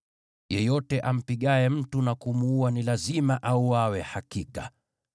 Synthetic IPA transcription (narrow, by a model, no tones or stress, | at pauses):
jɛjɔtɛʔam̩piɠaɛm̩tunakumuuanilazimaʔauwawɛhakika̰